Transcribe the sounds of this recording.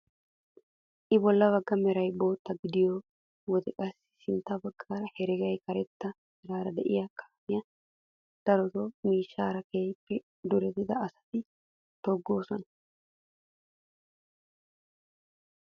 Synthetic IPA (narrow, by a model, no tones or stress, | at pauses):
ʔɪbɔlːɐβɐɡːɐmɛɾɐjbo̞ːt̪ːɐɡɪd̪ɪjɔ | wɔd̪ɛkʼɐsːɪ̥sɪnt̪ːɐbɐɡːaːɾɐhɛɾɛɡɐjkɐɾɛt̪ːɐ | mɛɾaːɾɐd̪ɛ̰ʔɪjɐkʰḁːmɪjɐ | d̪̥ɐɾɔt̪ɔmiːʃːaːɾɐkeːpːɛ | d̪ʊɾɛt̪ɪd̪ɐɐsɐ̥t̪ɪ | t̪ɔɡːoːsɔnɐ